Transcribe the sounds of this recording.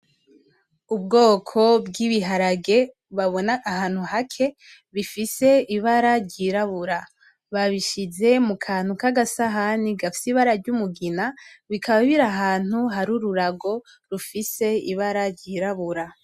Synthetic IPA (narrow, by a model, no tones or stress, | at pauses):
ub̚ɡo̞ːkʰo̞bɡiβiɦaɾaɡe̞ | βaβo̞naʔːɦaːn̥huɦakʰe̞ | βifise̞iβaɾaɾɟiɾaβuɾa | βaβiʃize̞mukʰaːn̥hukaɡasaɦaniɡafi̥siβaɾaɾɟumuɡinaβikʰaβaβiɾaɦaːn̥huɦaɾuɾuɾaɡo̞ | ɾufise̞ḭβaɾaɾɟiɾaβuɾa